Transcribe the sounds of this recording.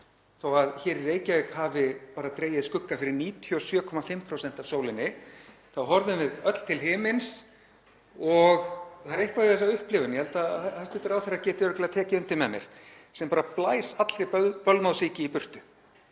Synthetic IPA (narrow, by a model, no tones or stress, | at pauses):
θowaðçɛːɾireːjcavekhaːvɪpaːɾat̪ɾeːjɪðskʏkːafɪɾɪɾniːt̪ʰjʏɔsjœːkʰɔmafɪmpʰɾowsɛn̥t̪avsoːwlɪnːɪ | θawɦɔɾðʏmvɪðœt̪l̥t̪ʰɪlɦɪːmɪns | ɔɣθaɾɪhkvaðɛs̬aʏhplɪvʏnjɛhɛlt̪aθɛst̪ɪt̪ʏɾawθeɾacɛːt̪ɪɾʏk̪lɪat̪ʰɛːcɪʏnt̪ɪnmɛmjɛ̰ɾ̥sɛmpaːɾaplaːjsat̪l̥ɾɪppœlmawsiːcɪipʏr̥t̪ʏ